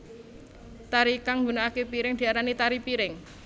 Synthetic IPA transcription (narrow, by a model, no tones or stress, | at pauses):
t̪aɾikaŋɡunaːkepiɾɪŋd̪̥i̤aɾanit̪aɾipiɾɪŋ